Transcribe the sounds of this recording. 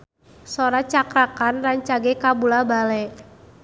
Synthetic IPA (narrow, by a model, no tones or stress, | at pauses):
soɾat͡ʃakɾakanlaɲt͡ʃaɡɛkabulabalɛ